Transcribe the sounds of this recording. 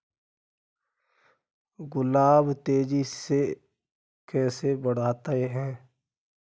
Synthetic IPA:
ɡʊlaːbt̪eːd͡ʒise | kɛːsebəɽ̤aːt̪aeɦɛ̃ː

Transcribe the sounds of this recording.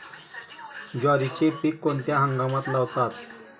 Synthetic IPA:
d͡ʑaɾit͡ɕepikːont̪jaɦəŋɡamat̪laʋt̪at̪̚

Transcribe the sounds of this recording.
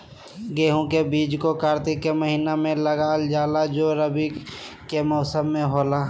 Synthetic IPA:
ɡeːɦõkebiːd͡ʒkokaːɾt̪ɪkːeməɦiːnamẽləɡaːld͡ʒaːlad͡ʒoːɾəbikemɔːsəmːẽɦoːlaː

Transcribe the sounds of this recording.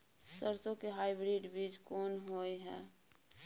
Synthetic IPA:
səɾsõkeɦaːɪbɾiːɖbiːd͡ʒkɔːnɦoːeɦɛː

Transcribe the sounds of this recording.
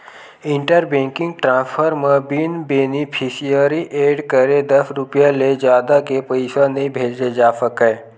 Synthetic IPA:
ɪ̃ɳʈəɾbẽːŋkɪ̃ŋɡ̚ʈɾãːspʰəɾmẽbinbeːnipʰisijəɾiʔeːɖkəɾed̪əsɾʊpijãled͡ʒjaːd̪akepəɪsanəɦĩbʱeːd͡ʒed͡ʒaːsəke

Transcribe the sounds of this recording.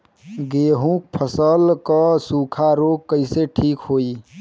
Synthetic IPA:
ɡeːɦũk̚pʰəsəlkəsuːkʰaɾoːɡ̚kəɪseʈʰiːkɦoːiː

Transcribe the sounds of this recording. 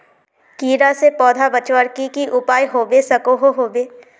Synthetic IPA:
kiːɾasepɔːd̪ʱabət͡ʃwəɾkikiʔʊpaːjɦoːbesɐkoɦoɦoːbeː

